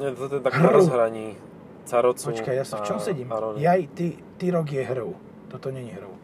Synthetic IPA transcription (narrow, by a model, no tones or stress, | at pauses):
ɲɛt̪t̪t̪aɦauzɦɾaɲi | t͡saɾɔt͡spɔt͡ʃkkajjasaft͡ʃɔmssɛɟimjajt̪i | t̪iɾɔɡjɛɦɾʊ | t̪ɔt̪ɔɲɛɲiɦɾɔʊ